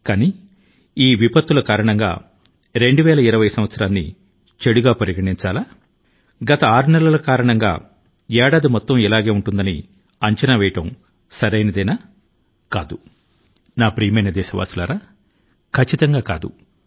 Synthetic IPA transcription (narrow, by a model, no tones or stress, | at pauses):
kaːniː | iːʋipɐt̪ːulɐkaːɾɐɳɐŋɡa̰ː | ɾe̞ɳɖuʋɛːlɐiɾɐʋɐjsɐmʋɐt̪sɐɾaːnːḭ | t͡ʃeɽuɡaːpɐɾiɡɐʈiɲt͡ʃaːlaː | ɡɐt̪ɐaːɾunɛlɐlɐkaːɾɐɳɐŋɡa̰ː | ɛːɽaːd̪imɔt̪ːɐmilaːɡe̞ːuɳʈund̪ɐnḭ | ɐɲt͡ʃɐnɐʋɛːjɐʈɐm | sɐɾɐjnɐd̪ɐjnɐ | kaːd̪u | naːpɾiːjɐmɐjnɐd̪ɛːʃɐʋa̰ːsula̰ːɾaː | kʰɐt͡ʃːit̪ɐŋɡaːkaːd̪ṵ